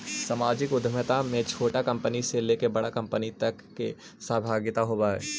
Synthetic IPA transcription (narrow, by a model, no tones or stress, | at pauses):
samaːd͡ʒɪkʊd̪ʱəmət̪amẽt͡ʃʰoːʈakɐ̃mpəniseleːkebɐɽakɐ̃mpənit̪ɐkːe | səːbʱaːɡɪt̪aɦoːbaːɛ̰ː